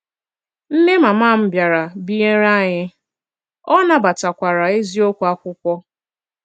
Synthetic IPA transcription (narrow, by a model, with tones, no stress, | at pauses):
n̩˦ne˦ma˨maː˦˨m̩˦bja˨ɾa˨bi˦e˦ɾa˦ɲɪ˦ | ɔ˦na˦ba˨ta˨kʷa˨ɾa˨e˦zi˦o˦kʷu˨˦a˦kʷʊ˦kʷɔ˦